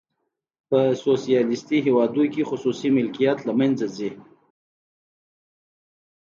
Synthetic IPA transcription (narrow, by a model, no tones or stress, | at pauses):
pəsosijɑlɪst̪iɦewɑd̪ukexʊsusimɪlkijat̪lamanzazi